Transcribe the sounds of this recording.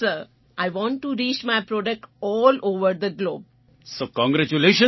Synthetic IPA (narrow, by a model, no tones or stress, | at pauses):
səɾ | ʔaɪʋɔ̃ːɳʈːuɾiːt͡ʃmaɪpɾɔːɖək̚ʈɔːloːʋəɾd̪əɡloːb̚ | soːkɔ̃ŋɡɾæt͡ʃuleːʃə̃